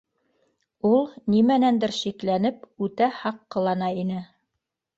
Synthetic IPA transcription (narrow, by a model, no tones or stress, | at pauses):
ulˠnimænænd̪ɘɾʃiklænɘpʉt̪æhɑqːɤ̆lˠɑnɑinɘ